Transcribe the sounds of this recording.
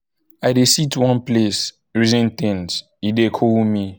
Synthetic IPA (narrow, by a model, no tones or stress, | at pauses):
aɪdesitwɔ̃nples | ɹizɛ̃ntĩnt | idekʰɔlmi